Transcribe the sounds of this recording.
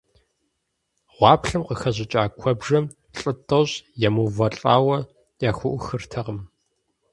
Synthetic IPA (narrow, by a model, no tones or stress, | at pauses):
ʁʷɑːpʰɬɨmqəxɐʑɪt͡ʃʼaːkʷʰɔbʒɐm | ɬʼɨtʼɐɕjɛmuvɐɬʼaːwɐ | jaːxʷʊʔʷʊxɨrtʰɐʁəm